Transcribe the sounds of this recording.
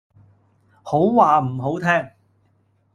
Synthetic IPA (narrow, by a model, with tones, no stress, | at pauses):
ho˨˥wwaː˨m̩˨˩ɦo˨˥wt̪ʰɛː˥ŋ